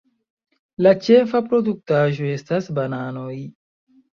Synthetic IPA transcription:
lat͡ʃe̞fapɾo̞duk̚taʒo̞e̞stasbanano̞j

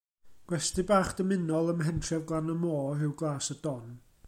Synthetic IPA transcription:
ɡ̥wɛstɨbaːχd̥əmɪnɔlˠəmɦɛntʰrɛvɡlˠanəmoːɦɪwɡlˠaːsədɔn

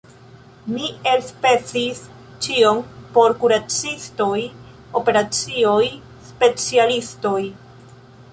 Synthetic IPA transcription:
mie̞lspe̞t͡sis | t͡ʃio̞mpo̞ɾkuɾat͡sisto̞j | o̞pe̞ɾat͡sioj | spe̞t͡sialisto̞j

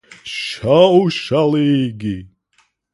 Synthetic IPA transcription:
ʃʃawʃaliɡi

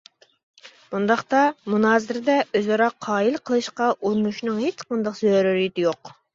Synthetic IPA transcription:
b̥und̪ɑχt̪ɑmunɑːzɪɾɪd̪ɛʔøzɑɾɑqʰːɑːjilˠqʰəlˠɨʃqɑʔuɾunuʃnɨŋhet͡ʃqʰɑnd̪ɑqzøɾyɾit̪ɪjoq

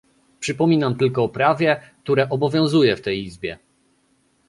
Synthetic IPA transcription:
pʂɘpɔmʲinamt̪ɘlkɔːpɾavʲjɛk̚t̪uɾɛʔɔbɔvʲjɔ̃w̃zujɛft̪ɛjizbʲjɛ

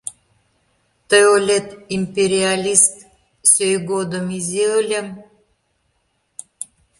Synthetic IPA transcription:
t̪əjolʲet̪impʲeɾʲialʲist̪ | søjɡod̪omizʲeəlʲem

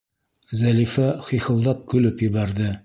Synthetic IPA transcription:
zælifæχiχɤ̆lˠd̪ɑp̚kɵ̆lɘpjɘ̆βæɾd̪ɘ

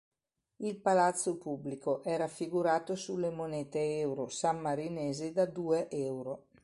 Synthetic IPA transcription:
ilpalat̪sːopubːlikoʔɛːɾafiɡuɾaːt̪osulːemoneːt̪eɛwɾosamːaɾineːzed̪ad̪uːeʔɛwɾo

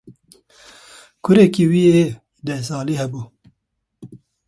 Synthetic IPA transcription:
kʰʊɾekiːwiːeː | d̪ɛsɑːliːhɛbuː

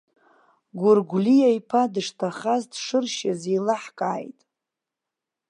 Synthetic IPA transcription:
ɡʷʊrɡʷlijajpʰadɨʂtʰaχazdʂɨrʃazejlaħkʼaːjtʼ

